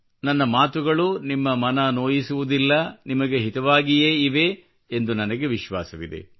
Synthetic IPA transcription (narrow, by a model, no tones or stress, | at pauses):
nɐnːɐmaːt̪uɡɐɭunimːɐmɐnɐnoːjisuʋud̪ilːɐnimɐɡe̞ɦit̪ɐʋaːɡijeːiʋe̞ | end̪unɐnɐɡe̞ʋiʃʋa̰ːsɐʋid̪ḛ